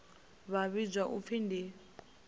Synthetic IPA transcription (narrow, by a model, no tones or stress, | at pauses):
βaβid͡ʒwaʔup̪findi